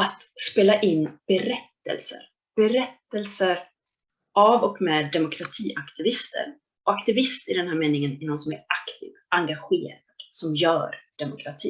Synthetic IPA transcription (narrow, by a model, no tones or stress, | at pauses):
at̪ | speːlaʔɪnːb̥ɛɾɛt̪ːə̰lsə̰ɾ | b̥ɛɾɛt̪ːəlsəɾ | avɔkmɛːd̪ːɛmʊkʰɾat̪ʰiːʔakt̪ɪvɪst̪ʰə̰ɾ | ɔakt̪ɪvɪst̪ɪd̪ɛnhæːɾmeːnɪŋənɪnɔnsɔmæ̰ɾakt̪ʰḭːvaŋɡaɧeːɾad̪̥sɔmjœ̰ːɾɖ̥̪ɛmʊkʰɾat̪ʰḭː